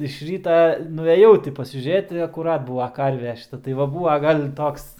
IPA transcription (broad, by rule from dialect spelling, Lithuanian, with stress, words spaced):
ɪʃ ˈrʲiːtɐ nʊɛˈjɛʊ tʲɪ pɐsʲɪʒʲuːˈrʲeːt ɪ ɐkʊˈrɐt ˈbuːʋɐ ˈkɐrʲʋʲɛ ʃʲɪˈtɐ tɐɪ ʋɐ ˈbuːʋɐ ˈɡɐlʲ ˈtoːks